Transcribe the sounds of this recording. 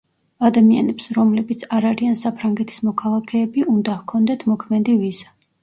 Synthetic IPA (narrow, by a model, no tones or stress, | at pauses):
ad̪amia̰nɛpsɾɔmlɛbit̪sʰaɾaɾiansapʰɾaŋɡɛt̪ʰi̥smɔkʰalˠakʰɛːbiʔund̪ahkʰɔnd̪ɛt̪ʰmɔkʰmɛd̪iviza